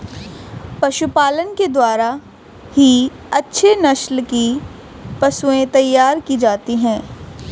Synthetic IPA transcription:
pɐʃʊpaːlənked̪waːɾa | hi | ɐtːʃʰenɐʃlki | pɐsuẽt̪ɐjːaːɾkid͡ʒaːt̪iɦɛ̃ː

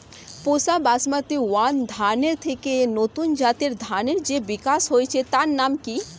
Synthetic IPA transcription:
posabasmat̪iwand̪ʱaneɾt̪ʰekenot̪und͡ʒaːt̪eɾd̪ʱaneɾd͡ʒeʋikasɦojt͡ʃʰet̪annamki

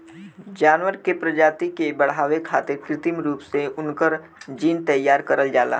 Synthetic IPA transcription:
d͡ʒaːnwəɾkepɾɐd͡ʒaːt̪ikebɐɽ̤ɦaːʋekʰa̰ːt̪ɪɾkɾɪt̪ɪmɾuːpseʊnkəɾ | d͡ʒiːnt̪ɐjːaːɾkəɾəld͡ʒaːla̰ː

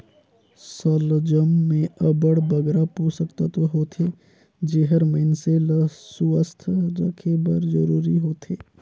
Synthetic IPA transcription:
səld͡ʒəmːẽəbəɽbəɡɾapusəkt̪at̪oɦoːt̪ʰe | d͡ʒeɦəɾmənseləsuəst̪ʰd͡ʒəkʰebəɾd͡ʒə̰ɾuːɾiɦoːt̪ʰeː

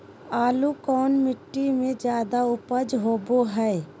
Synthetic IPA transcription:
aːlukɔːnmɪʈːimẽd͡ʒjaːd̪aʊpəd͡ʒɦoːboɦɛː

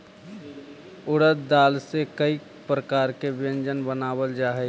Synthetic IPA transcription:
ʊɽət̪d̪aːlsekəi | pɾəkaːɾkebɪjə̃nd͡ʒənbənaːwəld͡ʒaːɦɛ

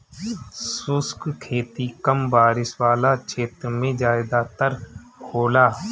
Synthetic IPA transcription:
sʊskkʰeːt̪ikəmbaːɾɪswaːlat͡ʃʰeːt̪ɾmẽd͡ʒaːɪd̪aːt̪əɾkʰoːlaː

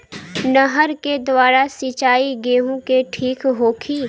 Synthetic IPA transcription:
nəɦəɾked̪waːɾasit͡ʃaːiɡeːɦõkeʈʰiːkɦoːkʰiː

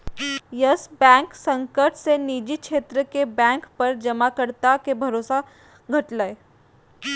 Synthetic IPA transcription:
jəsbɛ̃ːŋksə̃ŋkəɾʈseniːd͡ʒikʃʰeːt̪ɾəkebɛ̃ːŋkpɐɾd͡ʒɐmakəɾt̪akebʱɐɾoːsa | ɡʱɐʈləe

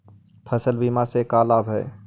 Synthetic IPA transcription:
pʰəsəlbiːmasekaːlaːbɦɛː

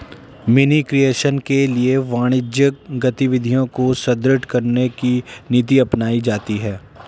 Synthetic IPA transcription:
mɪnikɾijeːʃənkelieʋaːɽ̃ɪd͡ʒjəkɡɐt̪iʋɪd̪ʱijõkosɐd̪ɾɪʈkɐɾnekinit̪̬iɐpnaːid͡ʒaːt̪iɦɛː

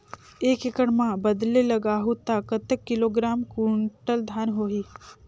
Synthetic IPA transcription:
eːkekəɽmãbəd̪lelɐɡaːɦut̪akət̪əkːɪloːɡɾaːmkuɳʈəld̪ʱaːnɦoːɦiː

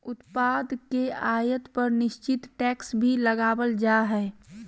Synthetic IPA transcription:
ʊt̪paːd̪keaːjət̪pəɾnɪʃt͡ʃɪt̪ʈɛːksbʱiləɡaːbəld͡ʒaɦɛː

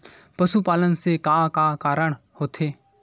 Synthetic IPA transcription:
pəʃupaːlənsekaːkaːkaːɾəɽ̃ | hoːt̪ʰeː

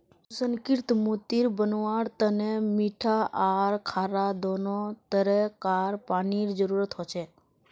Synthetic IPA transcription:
səŋkɪɾt̪mot̪iɾbənʋaɾt̪ənemiʈʰaʔaɾkʰaːɾad̪onot̪əɾekaɾpaniɾd͡ʒəɾuɾət̪ɦɔt͡ʃʰe

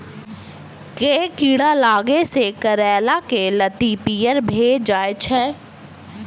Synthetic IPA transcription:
keːkiːɽalaːɡesekɐɾɛːlakelɐt̪ipijəɾbʱeːd͡ʒd͡ʒaːet͡ʃʰɛ̃ː

